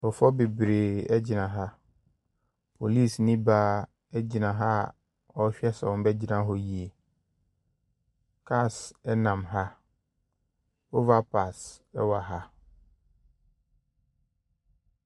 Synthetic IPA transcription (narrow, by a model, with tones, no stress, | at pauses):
fɔ˨fɔ˦be˨bɾeː˨ɛ˦d͡ʑɪ˨nã˨ɦa˦ | pʰo˨li˦˨snĩ˦baː˦ | ɛ˦d͡ʑi˨nã˨ɦa˦˨ | ɔ˨˦ɕᶣɛ˦sa̰˨wbɛ˦d͡ʑi˦nã˦ɦɔ˦ji˨e˨ | kʰa˦˨sɛ˦nã˨mɦa˦ | o˦va˦pʰa˨sɛ˦wa˨ɦa˦